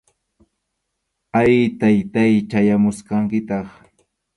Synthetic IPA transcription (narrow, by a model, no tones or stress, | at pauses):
ajt̪ajt̪ajt͡ʃajamʊsqɑŋkɪt̪ɑχ